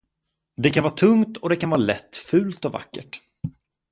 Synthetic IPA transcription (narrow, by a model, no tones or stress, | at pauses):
d̪ɛkanvɑːt̪ʰɵŋt̪ɔd̪ɛkʰanvɑːɾalɛt̪ːfʉ̟ːlt̪ɔva̰kːə̰ʈ